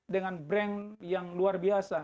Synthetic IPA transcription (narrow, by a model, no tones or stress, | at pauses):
dəŋanbɾɛnjaŋluarbiasa